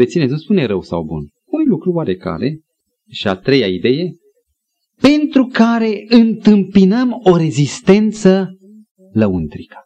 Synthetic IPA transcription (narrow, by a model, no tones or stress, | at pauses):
et̪sinezuspuneɾəwsa̰wbṵn | unlukɾuwaɾe̞ka̰ɾe̞ | ʃiat̪ɾe̞jaid̪e̞je̞ | pe̞nt̪ɾukaɾe̞ɨnt̪ɨmpinəmo̞ɾe̞zist̪e̞nt̪sə | ləunt̪ɾikə̥